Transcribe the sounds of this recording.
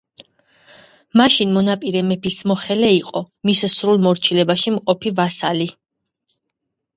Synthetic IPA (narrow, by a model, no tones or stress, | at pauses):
maʃinmɔnapʼiɾɛmɛbismɔχɛlɛiqʼɔ | missɾulˠmɔɾt͡ʃʰilɛbaʃimqʼɔpʰivasali